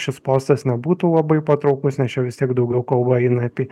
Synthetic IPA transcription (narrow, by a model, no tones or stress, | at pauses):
ʃʲɪspoːst̪ɐsnʲɛbuːt̪uːlˠɐbɐɪpɐt̪ɾɒʊkʊsnʲɛst͡ʃʲɛʋʲɪst̪ʲiɛɡd̪ɒʊɡʲɛʊkɐlˠbɐɪnɐɐpʲiː